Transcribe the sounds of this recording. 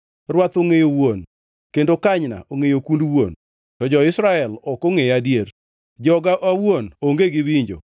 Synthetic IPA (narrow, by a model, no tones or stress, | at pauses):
rwat̪oŋejowon | kendokaɲna̰ʔoŋejokundwon | tɔd͡ʒɔɪsɾaɛlɔkoŋejadjeɾ | d͡ʒɔɡaʔawwonoŋɡeɡɪwiɲd͡ʒo̰